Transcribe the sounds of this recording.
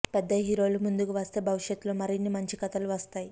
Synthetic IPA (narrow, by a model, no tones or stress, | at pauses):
pɛd̪ːɐɦiɾo̞ːlumund̪ukuʋɐst̪e̞ːbʱɐʋiʂjɐt̪ːuloːmɐɾinːimɐɲt͡ʃikɐt̪ɐluʋɐst̪aːji